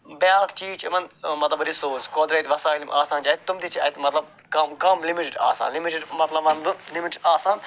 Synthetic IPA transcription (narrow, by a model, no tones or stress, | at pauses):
bjaːkt͡ʃiːt͡ʃɐmɐnmɐt̪lɐbɐɾisoːskoːd̪ɾeːt̪ʲʋɐsaːjlimʔaːsaːnt͡ʃaːt̪t̪umd̪it͡ʃʰa̰ːit̪mɐt̪lɐb̚ | kɐmkɐmlimiʈiɖa̰ːsa̰ːnlimiʈiɖmɐt̪lɐbɐnb̪ɨlimiʈaːsaːn